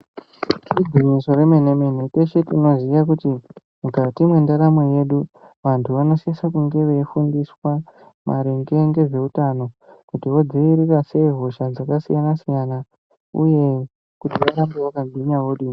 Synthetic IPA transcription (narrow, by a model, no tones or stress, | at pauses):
tid͡ziɲiso̞re̞menemeneteʃetino̞zijakuti | mukatimwe̞ndaɾameje̞ɗu | ʋantʰuʋano̞sisak̬uŋɡe̞ʋefundiswa | mʔa̰ɾeŋɡe̞ŋɡe̞ʐe̞utano̞kutio̞d͡ziiɾikase̞ɦo̞ʃad͡zakasijanasijana | ṵje̞ | kutiʋaɾambojakamʱiɲawoɗi